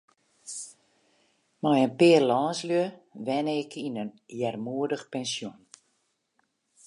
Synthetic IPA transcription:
mɔjənpɪːrlɔːnsljøʋɛnəɪkʰinənjɛrmuədəxpɛnsjon

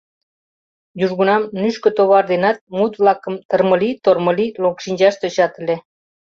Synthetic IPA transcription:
juʒɣunɑmnyʃkø̆t̪oβɑrd̪enɑt̪̚mut̪βlɑkəmt̪ərmə̆lit̪ormə̆lilokʃinʲd͡ʑɑʃt̪øt͡ɕɑt̪əlʲe

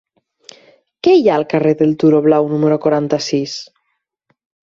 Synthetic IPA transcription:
keijaəlkareðelt̪uɾoβlawnumeɾokwaɾant̪asis

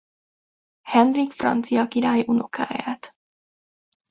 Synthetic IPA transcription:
hɛnrikfrɑ̰nt̪sijɑkiɾaːjʔunukʰa̰ɛ̰ɛt̪

